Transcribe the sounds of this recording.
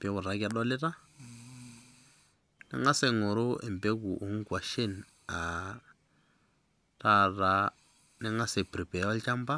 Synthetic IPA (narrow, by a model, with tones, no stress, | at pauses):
pe˨˦ɡu˨ɾa˨˦ɡɛ˦dɔ˦li˦ta˦ | nɛ̰˦ŋa˦se˦ŋo˨ɾu˦ḛ˨m˨be˦ɡu˨ʔu˨˦ŋ˦ɡʷa˨ʃe˦˨n | a˨ | ta˦˨ɾa˦ | nɛ˦ŋa˦se˨pɾi˨pe˨˦a˦lt͡ʃa˦mba˦